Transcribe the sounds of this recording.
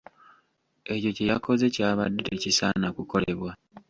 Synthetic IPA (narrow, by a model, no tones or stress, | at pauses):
e̞co̞ce̞jako̞ze̞caːβa̰dːeɾecisa̰nakuko̞le̞βwa